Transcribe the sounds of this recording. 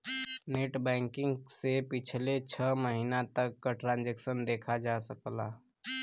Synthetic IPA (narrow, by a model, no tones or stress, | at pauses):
neːʈbɛ̃ːŋkɪ̃ŋɡsepɪt͡ʃʰlet͡ʃʰəməɦiːnat̪əkːaʈɾãːnd͡ʒɛksənd̪eːkʰad͡ʒasəklaː